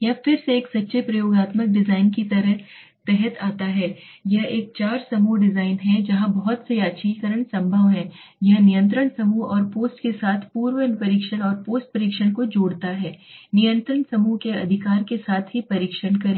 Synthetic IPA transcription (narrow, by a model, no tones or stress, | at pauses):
jɐfɪɾseeːksɐtːʃʰepɾɐjoːɡaːt̪mək̚ɖɪzaːɪnkit̪ɐɾəɦ | t̪ɛɦət̪ʰaːt̪aɦɛː | jɐɦeːk̚t͡ʃaːɾsɐmuɖɪzaːɪnɦɛ̃d͡ʒɐɦãbɐɦɔt̪seaːʃʰikəɾəɳ̃sɐ̃mbʱəʋɦɛ̃ː | jɐɦnɪjə̃nt̪ɾəɽsɐmuɔːɾpoːsʈkesaːt̪ʰpuːɾwənpɐɾiːkʃəɽ̃ɔːɾpoːsʈ̚pɐɾiːkʃəɽ̃kod͡ʒoːɽt̪aɦɛːnijə̃nt̪ɾəɳsɐmukeɐ̰d̪ʱɪkaːɾkesaːt̪ʰɦipɐɾiːkʃənkɐɾẽː